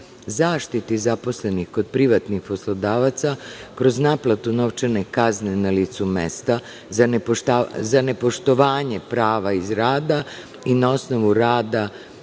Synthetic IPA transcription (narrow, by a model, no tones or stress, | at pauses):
zaːʃt̪it̪izapo̞sle̞nixko̞d̪̚pɾiʋat̪nixpo̞slod̪aːʋat̪sakɾo̞znaplˠat̪uno̞ʋt͡ʃene̞kaznenaliːt̪sumḛst̪a | zanpotazane̞po̞ʃt̪o̞ʋaːɲe̞pɾaːʋaizɾaːd̪a | inao̞sno̞ʋuɾaːd̪a